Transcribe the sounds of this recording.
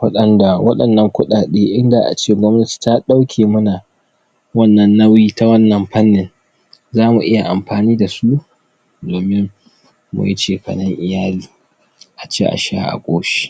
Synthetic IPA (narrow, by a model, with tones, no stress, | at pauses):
ɸɐ˦ɗɐ˦nda˨wɐ˦ɗɐ˨nːɐ˨˦ŋkʷʊ˦ɗaː˨ɗeː˦ʔɪ˦nda˨ʔa̰˨t͡ʃeː˦˨ɡʷɔ˦mnɐ˦ti̥˨ta˦ɗa˦wkʲʰeː˨mʊ˦na˨ | wɐ˦nːɐ˨nːɐ˦wjiː˦ta˦wɐ˦nːɐ˨mɸɐ˦nːɪ˨n | zaː˦mu˨ʔɪ˦ja˨ʔa˨mɸaː˨niː˦da˨su˦ | doː˨mɪ˦ŋ | mṵ˨ji˦t͡ʃeː˨ɸɐ̰˨nɪ˦ŋʔɪ˨jaː˦liː˨ | ʔa˨t͡ʃeː˦ʔa̰˨ʃa̰˦ʔa̰˨kʷʼoː˦ʃi̥˦